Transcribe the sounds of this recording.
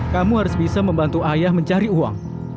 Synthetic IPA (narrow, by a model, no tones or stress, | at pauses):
kamuɦaɾʊsbisaməmbant̪uajahməɲt͡ʃaɾiua̰ŋ